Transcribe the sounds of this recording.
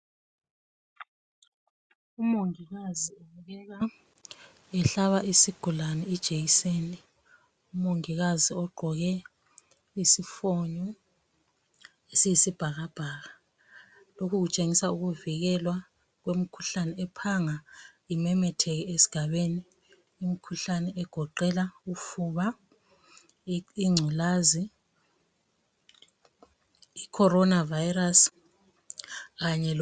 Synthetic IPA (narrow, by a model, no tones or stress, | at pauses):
umoŋiɣazioβuɣɛɣa | ɛɬaβaʔisiɡ̥ʱulanɛid̥ʒ̥ʱeɣiseːni | umoŋiɣaziɔɡ͡ǃʱɔɣɛ | isifɔɲɔ | esijisib̥ʱaɣab̥ʱaːɣa | lokʰuɣut͡ʃʼeŋisauɣuviɣ̬ɛlwa | k̬wem̩kʰu̥ɬanɛɛpʰaŋaimɛmɛtʰɛk̬ɛesi̥ɡ̥ʱaɓeniː | mikʰuɬanɛɛɡ̥ʱɔǃɛlaufuɓa | iŋ͡ǀʱilaːzi | ikʰɔɾɔnavajiras | ɣaɲɛl